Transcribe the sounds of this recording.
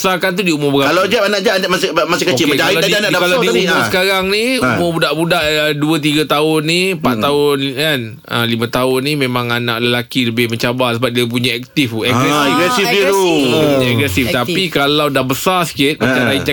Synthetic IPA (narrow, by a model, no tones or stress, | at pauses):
sakant̪̬udiumʊmbəɡakalawd͡ʒɛpanaʔd͡ʒamasmasɪkəoɪkalaanadkaadiumʊmsəkaɾaŋniumʊmbudaʔbudaʔəduət̪̬iɡət̪aʊnːipat̪aʊnkan | ə̰limə̃t̪aʊnĩmẽmãŋana̰ʔləlakiləbɪhmə̃ɲt͡ʃabasəbat̚diap̬uɲãɛk̚t̪ɪfɛɡɾɛɡɾɛsiiɾupuɲaɛɡɾɛsift̪apikalawdahbəsasə̥kɪt̪̚mat͡ʃaɾait͡ʃ